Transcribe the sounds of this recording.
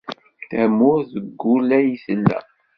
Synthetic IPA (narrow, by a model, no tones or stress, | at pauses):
θæmːʊɾðəɡːulæjisəlːæ̰